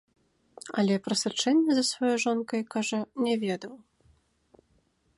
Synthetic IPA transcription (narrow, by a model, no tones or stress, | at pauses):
ɐlʲɛpɾɐsɐt͡ʂɛnʲːɛzɐsvɔjɔjʐɔnkɐjkaʐɐnʲɛvʲɛd̪ɐw